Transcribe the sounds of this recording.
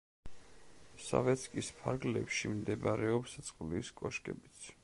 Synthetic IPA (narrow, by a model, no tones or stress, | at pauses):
sa̰vɛt̪sʰkʼispʰaɾɡlɛ̰pʃimd̪ɛbaɾɛɔpst̪sʼqʼliskʼɔʃkʼɛbit̪sʰ